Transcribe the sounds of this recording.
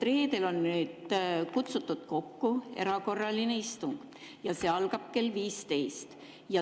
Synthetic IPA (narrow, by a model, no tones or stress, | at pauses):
t̪re̞ːd̪e̞lo̞nːnyːd̪kut̪sut̪ːˑut̪ko̞kːue̞̰ɾɑko̞rːɑline̞ist̪uŋɡ̥ | jɑse̞ːɑlɡ̥ɑb̥̚ke̞lːviːst̪e̞jst̪ | jɑ